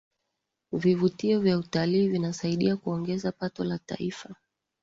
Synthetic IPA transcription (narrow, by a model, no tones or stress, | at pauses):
vivutiɔvjautaliːvinasaiɗiakuɔŋɡɛzapatɔlata̰ifa